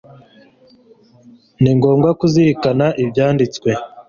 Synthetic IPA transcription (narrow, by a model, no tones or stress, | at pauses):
niŋɡo̞ːŋɡwakuziɾikanaʔibjaːndit͡skwe̞